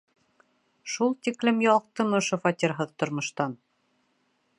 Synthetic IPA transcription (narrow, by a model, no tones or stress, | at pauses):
ʃulˠt̪iklɘmjɑlˠq̚t̪ɤ̆mŏʃofɑt̪ʲiɾɦɤðt̪ŏɾmŏʃt̪ɑn